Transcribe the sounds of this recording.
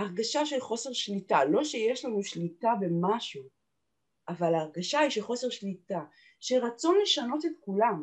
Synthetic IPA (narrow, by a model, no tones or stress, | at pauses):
aʁɡaʃaʃelχo̞se̞ʁʃlitalo̞ʃe̞jeʃlanuʃlitabe̞maʃu | ʔavalaːʁɡaʃaiʃeχo̞se̞ʁʃlita | ʃeʁat͡so̞nle̞ʃano̞tet̪kulam